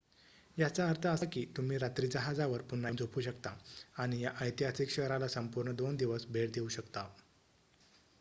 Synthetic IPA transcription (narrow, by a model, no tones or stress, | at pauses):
jat͡saəɾt̪ʰəəsakiːt̪um̤iːɾat̪ɾiːd͡zəɦad͡zaʋəɾpunːamd͡zopʰuːɕəkt̪aaɽ̃ijaʔəjt̪iɦasikɕəɾalasəmpuɾɳəd̪ond̪iʋəsbʱeɽd̪euɕəkt̪a